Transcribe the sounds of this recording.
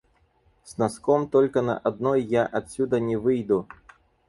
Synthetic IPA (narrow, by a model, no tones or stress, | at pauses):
snaskɔmt̪ɔlʲkɐnɐ̰ʔad̪nɔjːaʔat̪ʲsʲud̪ɐnʲɛvɨjd̪u